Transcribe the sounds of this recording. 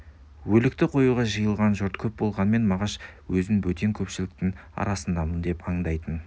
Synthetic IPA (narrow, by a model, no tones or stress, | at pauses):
wɵlɪk̚t̪ɪqʰo̞juʁɑʒəjəlˠʁɑnʒoɾt̪kʲʰɵp̚bo̞lˠʁɑnəme̞nmɑʁɑʃwɵzɪŋwɵt̪e̞ŋkʲʰɵpʃɪlɪk̚t̪ɪŋ | ɑ̰ɾɑsənd̪ɑmənd̪e̞pɑɴd̪ɑjt̪ən